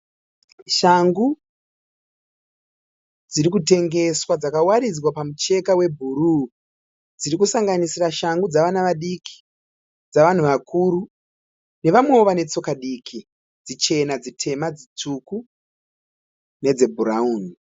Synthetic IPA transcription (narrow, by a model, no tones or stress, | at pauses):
ʃaŋɡu | d͡ziɾikute̞ŋɡe̞swad͡zakawaɾid͡zwapamut͡ʃe̞kawe̞bʱuɾu | d͡ziɾikusaŋɡanisiraʃaŋɡud͡zaʋanaʋaɗikʰi̥ | d͡zaʋan̤uʋakʰuːɾu | ne̞ʋamwe̞oʋane̞t͡so̞kaɗikʰi | d͡zit͡ʃe̞nad͡zitʰe̞mad͡zit͡suku | ne̞d͡zebʱuɾauːni